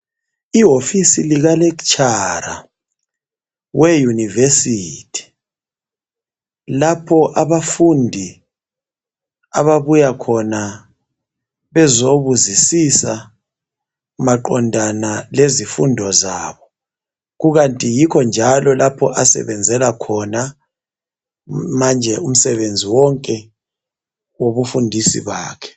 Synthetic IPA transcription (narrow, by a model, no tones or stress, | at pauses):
iɦofisiliɣalɛk̬t͡ʃʰʼaɾa̰ | wʔɛjunivesitʰi̥ | lapʰɔʔaβafundʱi | a̰βaβujakʰɔna | βɛzoβuzisisa | maǃɔndʱanalezifṵndʱɔzaːβɔ | ɣuɣantʼijikʰɔnd͡ʒʱalɔlapʰɔʔasɛ̰βɛnd͡zʱɛlakʰɔna | mand͡ʒʱɛum̩sɛβend͡zʱiwɔŋkʼɛ | woβufundʱisḭβaːkʰɛ̥